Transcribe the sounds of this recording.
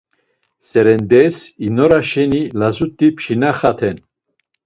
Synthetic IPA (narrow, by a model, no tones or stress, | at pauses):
sɛɾɛnd̪ɛsinɔɾaʃɛnilazut̪ʼːipʰʃinaχat̪ʰɛn